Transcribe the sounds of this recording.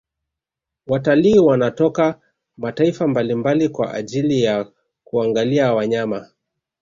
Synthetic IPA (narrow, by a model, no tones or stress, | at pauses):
wataliːwanatɔka | mataifambalimbalikwa̰ʔa̰ʄilija | kuaŋɡaliawaɲama